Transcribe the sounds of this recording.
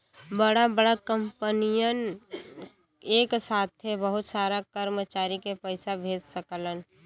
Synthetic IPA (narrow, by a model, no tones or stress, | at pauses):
bəɽabəɽakə̃mpənijən | eːksaːt̪̚ʰebəɦʊt̪saːɾakəɾmət͡ʃaːɾikepəɪsabʱeːd͡ʒsəklən